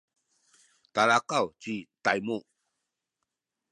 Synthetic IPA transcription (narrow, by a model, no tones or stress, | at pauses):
t̪alakawt͡ɕit̪ajmu